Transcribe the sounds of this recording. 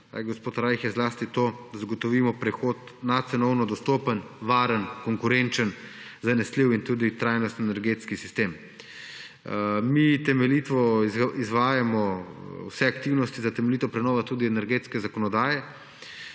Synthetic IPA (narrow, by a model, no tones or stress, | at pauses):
a̰ɡospoːt̪ɾajxɛzlaːst̪it̪oːd̪zaɡɔt̪ɔʋiːmɔpɾɛxoːt̪ | nat̪sɛnɔwnɔd̪ɔst̪oːpənʋaːɾənkɔŋkʊɾent͡ʃənzanɛsliwint̪uːd̪it̪ɾajnɔst̪nɛnɛɾɡeːt̪skisist̪em | mit̪ɛmɛlit̪ʋɔizʋaːjamɔwsɛakt̪iwnɔst̪izat̪ɛmɛliːt̪ɔpɾɛnɔːʋat̪uːd̪iɛnɛɾɡeːt̪skɛzakɔnɔd̪aːjɛ